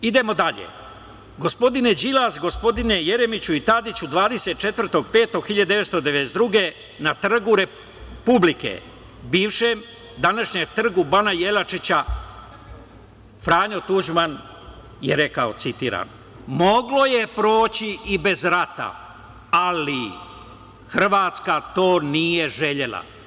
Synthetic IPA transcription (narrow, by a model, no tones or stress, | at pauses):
id̪e̞mo̞d̪aʎḛ | ɡo̞spo̞d̪ine̞d͡ʑilazɡo̞spo̞d̪ine̞je̞ɾe̞mit͡ɕuit̪ad̪it͡ɕud̪ʋaːd̪e̞se̞t̪̚t͡ʃe̞t̪vr̩t̪o̞ɡ̚pe̞ːt̪o̞ɡxiʎad̪d̪eʋest̪o̞d̪eeesd̪ɾuɡe̞ | nat̪r̩ɡuɾe | publikḛ | biːʋʃem | d̪anaʃɲemt̪r̩ɡubanajelat͡ʃit͡ɕa | fɾaːɲot̪uʒman | jeɾe̞kao̞t̪sit̪ḭːɾa̰no | mo̞ɡlo̞je̞pɾo̞ːt͡ɕiibe̞zɾat̪a̰ | ali | xr̩ʋaːt̪skat̪o̞ːnije̞ʒe̞ʎe̞la̰